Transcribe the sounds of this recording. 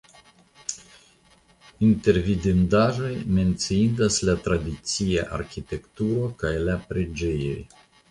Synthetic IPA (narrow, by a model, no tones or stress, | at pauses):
inte̞ɾvidindaʒo̞jme̞nt͡siindaslat̪ɾad̪it͡sia̰ʔa̰ɾkʲit̪e̞kt̪uɾo̞kajlapɾe̞d͡ʒe̞jo̞j